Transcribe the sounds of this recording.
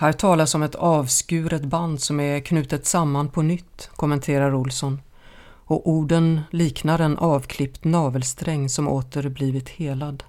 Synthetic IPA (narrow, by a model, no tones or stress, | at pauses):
hæːʈʰɑːlasɔmɛt̪ɑːvskʉ̟ːɾət̪band̪sɔmɛkʰnʉ̟ːt̪ət̪samːanpʰɔnʏt̪ːkʰɔmɛnt̪ʰeːɾaɾʊlsɔn | ɔʔuːɖənliːknaɾɛnʔɑːvkʰlɪpt̪nɑːvəlst̪ɾɛŋːsɔmo̰ːt̪əɾbliːvɪt̪heːlad̪